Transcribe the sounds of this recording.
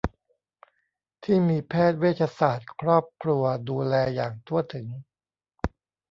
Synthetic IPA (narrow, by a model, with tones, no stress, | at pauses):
t̪ʰiː˥˩miː˧pʰɛː˥˩t̪̚weː˦˥˩t̪̚t͡ɕʰa˧saː˨˩t̪̚kʰɾɔː˥˩p̚kʰlu˧ɐduː˧lɛː˧jaː˨˩ŋt̪ʰu˥˩ət̪ʰɯ˩˦ŋ